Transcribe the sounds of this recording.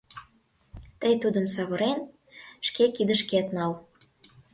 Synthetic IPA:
t̪əjt̪ud̪ə̆msɑβɤ̆ɾen | ʃkekid̪ə̆ʃket̪nɑl

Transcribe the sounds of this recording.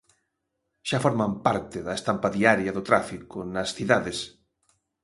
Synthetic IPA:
ʃafoɾmampaɾt̪eðɐest̪ampaðiaɾjɐðʊt̪ɾafikonɐsθiðaðes

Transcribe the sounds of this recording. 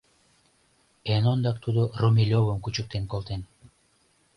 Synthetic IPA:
enond̪ɑk̚t̪ʰud̪urumʲilʲovomkut͡ʃuk̚t̪enkolˠt̪en

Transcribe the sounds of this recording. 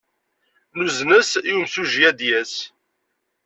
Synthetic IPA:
nuznəsjumsuʒjæd̪jæs

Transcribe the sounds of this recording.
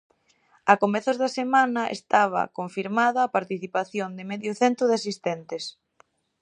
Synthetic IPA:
akomɛθozðɐsemanɐḛst̪aβ̞ɐ̰koɱfiɾmaðɐːpaɾt̪iθipaθjond̪ɪmeðjʊθent̪ɾʊðeasist̪ɛnt̪ɪs

